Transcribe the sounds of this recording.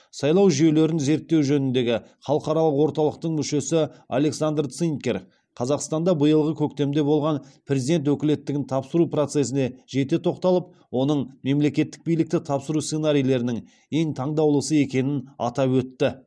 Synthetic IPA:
sɑjlˠɑwʒije̞le̞ɾɪnze̞ɾt̪ːe̞wʒɵnɪnd̪e̞ɡʲɪχɑlˠəqɑɾɑlˠəqwo̞ɾt̪ɑlˠəq̚t̪əɴmʏʃe̞sɪa̰le̞ksand̪rt̪siŋkʲe̞ɾ | qʰɑzɑqst̪ɑnd̪ɑbəjəlˠʁəkʲʰɵkt̪e̞md̪e̞bo̞lˠʁɑnpʰɾʲe̞zid̪e̞nt̪wɵkʲɪle̞t̪ːɪɡʲɪnt̪ʰɑpsəɾupro̞t̪se̞sɪne̞ʒe̞t̪e̞t̪ʰo̞qt̪ɑlˠəp̚ | wo̞nəɴme̞mle̞kʲe̞t̪ːɪ̥k̚bijlɪk̚t̪ɪt̪ʰɑpsəɾussenaɾijlˠe̞ɾɪnɪŋ | e̞ŋt̪ʰɑɴd̪ɑwlˠəsəe̞kʲe̞nɪnɑ̰t̪ɑpwɵt̪ːɪ

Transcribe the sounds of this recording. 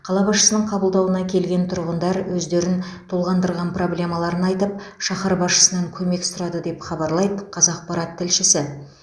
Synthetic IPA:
qʰɑlˠɑbɑsʃə̥sənəɴqʰɑbəlˠd̪ɑwənɑkʲʰe̞lɡʲe̞nt̪ʰʊɾʁənd̪ɑɾwɵzd̪e̞ɾɪnt̪ʰolˠʁɑnd̪əɾʁɑnpro̞blʲe̞mɑlˠɑɾənɑjt̪əp̚ʃɑχɑɾbɑsʃə̥sənɑŋkʲʰɵme̞ksʊɾɑd̪əd̪e̞pχɑbɑɾlˠɑjd̪əqʰɑzɑq̚pɑɾɑt̪ʰːɪlʃɪsɪ

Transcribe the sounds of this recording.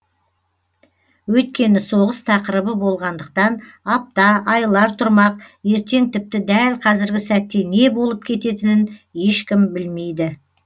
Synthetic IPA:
wɵjt̪̚kʲe̞nɪso̞ʁəst̪ʰɑqəɾəbəbo̞lˠʁɑnd̪əq̚t̪ɑnɑp̚t̪ɑɑjlˠɑɾt̪ʰʊɾmɑq̚je̞ɾt̪e̞ŋt̪ʰɪp̚t̪ɪd̪ælqʰɑzɪɾɡʲɪsæt̪ːe̞ne̞bo̞lˠəp̚kʲʰe̞t̪e̞t̪ɪnɪnje̞ʃkʲɪmbɪlme̞jd̪ɪ

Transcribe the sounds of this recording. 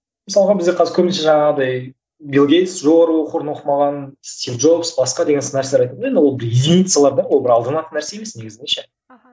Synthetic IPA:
mɪsɑlˠʁɑbɪzɡʲeqʰɑzɪɾkʰɵmɪnʃe̞ʒɑɴɑʁəd̪ɑj | bʲilˠɡʲej̪sʒo̞ʁɑɾuoqəɾnwo̞qəmɑʁɑnst̪ʲivʒo̞psbɑsqɑd̪e̞ɡʲe̞nsɪnæɾseleɾɑjt̪ɑmed̪wo̞lˠbɪɾid̪init̪sjalˠɑɾb̪ɑɾwo̞lˠbɪɾɑlˠd̪ənɑt̪ːənæɾse̞je̞me̞sne̞ɡʲɪzɪneʃe

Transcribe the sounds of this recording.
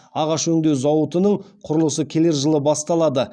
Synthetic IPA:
ɑʁɑʃɵŋd̪e̞wzɑwət̪ənəɴ | qʰʊɾəlˠəsəkʲʰe̞le̞ɾʒəlˠəbɑst̪ɑlˠɑd̪ə

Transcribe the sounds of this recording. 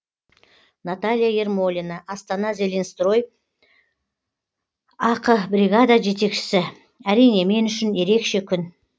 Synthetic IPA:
nat̪alʲijaje̞rmo̞lʲinɑʔɑst̪ɑnɑzʲelʲenst̪ro̞j | ɑqəbɾʲiɡad̪aʒe̞t̪e̞kʃɪ̥sɪ | æɾijne̞me̞nʏʃɪnje̞ɾe̞kʃe̞kʲʰʏn

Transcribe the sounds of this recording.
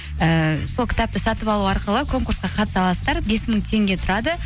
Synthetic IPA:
əso̞lˠkʲɪ̥t̪ɑp̚t̪əsɑt̪əpɑlˠuɑɾqəlˠəkʰo̞ŋkuɾsqɑqʰɑt̪ə̥sɑlˠɑsə̥d̪ɑɾbe̞sməɴt̪ʰe̞ŋɡʲe̞t̪ʰʊɾɑd̪ə

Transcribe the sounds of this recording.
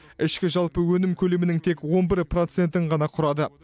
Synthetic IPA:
ɪʃkʲɪʒɑlˠpəwɵnɪmkʲʰɵle̞mɪnɪŋt̪ʰe̞kwo̞nbɪɾpro̞t̪se̞nt̪ɪɴʁɑnɑqʰʊɾɑd̪ə

